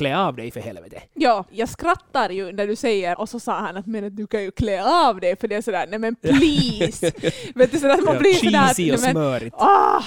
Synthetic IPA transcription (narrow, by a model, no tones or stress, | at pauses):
klɛːɑvd̪ɛjfœɾhɛlvɛːt̪ʰəjɑːjɑːɡskɾat̪ːaɾjɵnæɖʉsɛjːəɾɔsɔsɑːhɑnat̪mɛnat̪̚d̪ʉkʰanjʉkʰleːɑːvd̪ɛjfœɖɛæsɔd̪æːɾnɛmɛnpʰliːsveːt̪̚d̪ʉsɛd̪at̪mapliːsɔd̪æːinɛmɛnmœːɾɔː